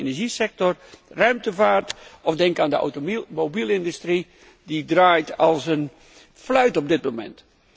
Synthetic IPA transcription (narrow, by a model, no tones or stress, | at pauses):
enɛɹʒisɛk̚tɔrrœɥmtəvaːɹtɔfdɛŋkaːndəɔ̰wtomobilˠɪndystri | didraːjtɑlˠsən | flœɥtɔb̚dɪt̚momɛ̰nt